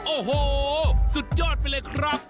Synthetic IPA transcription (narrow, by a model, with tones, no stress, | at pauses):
ʔoː˧˩ɦoː˧˩su˨˩t̪̚t͡ɕɔː˧˩t̪̚pe˧ləː˧˦jkʰɾa˦˥˩k̚